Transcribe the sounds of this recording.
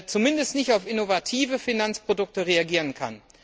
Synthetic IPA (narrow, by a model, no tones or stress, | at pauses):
t͡sumɪndəstnɪçtaʊfɪnovatʰiːvəfinant͡spʁ̥odʊk̚təʁeaɡiːʁənkʰa̰n